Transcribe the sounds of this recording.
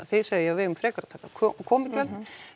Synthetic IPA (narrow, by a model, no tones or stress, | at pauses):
θɪðsaɣðɪjɛvɪːðʏmfɾɛːkaɾat̪θɛt̪akʰkʰɔːmɪcvɛlt̪